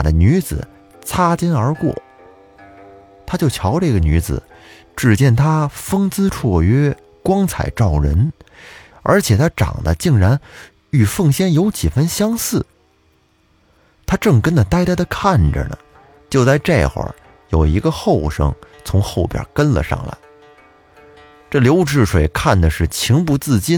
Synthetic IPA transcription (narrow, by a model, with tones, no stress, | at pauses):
d̪ə̰˦ny˧˥d͡zɹ̩̰˨˩ | t͡sʰa˥t͡ɕi˥nə˞˧˥kwɔ̰˥˩ | t̪ʰa˥t͡ɕjo˥˩ʊt͡ɕʰjɑ˧˥ʊʈ͡ʂɤ˥˧˩ɡə˩ny˧˥d͡zɹ̩̰˨˩ | ʈ͡ʂɻ̩˥˩t͡ɕjɛ˥˩nt̪ʰa˥fɤ˥ŋt͡sɹ̩˥ʈ͡ʂʰwɔ˥˩ɥɛ˥ | kwɑ˥ŋt͡sʰa̰˨˩ɪʈ͡ʂɑ˥˩ʊɻə̰˧˥n | ə̰˞˧˥t͡ɕʰjɛ˨˩t̪ʰa˥ʈ͡ʂɑ̰˨˩ŋd̪ə̰˦t͡ɕi˥˩ŋɻa˧˥n | y˨˩fɤ˥˩ŋɕjɛ˥njo˧˥ʊt͡ɕi˨˩fə˥nɕjɑ˥ŋsɹ̩˥˩ | t̪ʰa˥ʈ͡ʂɤ˥˩ŋkə˥nd̪ə˨˩t̪a˥ɪt̪a˥d̪ə˧kʰa˥˩nʈ͡ʂə̰˩nə̰˩ | t͡ɕjo˥˧t͡sa˥˧ɪʈ͡ʂḛ˥˩˧xwə̰˧˩ | jo˨˩ʊi˧˥ɡə˧xo˥˩ʊʂɤ̰˧˥ŋ | t͡sʰʊ˧˥ŋxo˥˩ʊpjə̰˨˩˥kə˥nlə̰˨ʂɑ̰˥˩ŋla̰˧˥ɪ | ʈ͡ʂɤ˥˩ljo˧˥ʊʈ͡ʂɻ̩˥˩ʂwe˨˩ɪkʰa˥˩nd̪ə˩ʂɻ̩˥˩t͡ɕʰi˧˥ŋpu˧˥t͡sɹ̩˥˩t͡ɕi˥n